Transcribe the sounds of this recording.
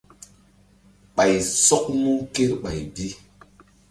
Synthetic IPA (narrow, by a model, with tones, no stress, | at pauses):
ɓa˨jsɔ˦k̚mu˦ke˦ɾɓa˨jbi˦